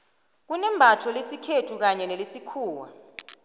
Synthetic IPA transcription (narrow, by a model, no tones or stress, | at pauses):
k̬unɛmbʱatʰɔlesikʰetʰuk̬aɲɛnelisikʰuːwa̰